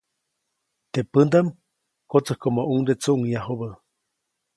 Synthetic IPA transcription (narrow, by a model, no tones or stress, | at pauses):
t̪epənd̪am | kot͡səhkomoʔuŋd̪et͡suʔuŋjaɦoβə